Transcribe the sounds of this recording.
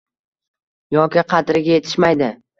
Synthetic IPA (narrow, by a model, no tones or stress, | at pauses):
jɒkʲɪqʰɑt̪ɾɪɡʲaje̞t̪ʰɪ̥ʃmajd̪ɪ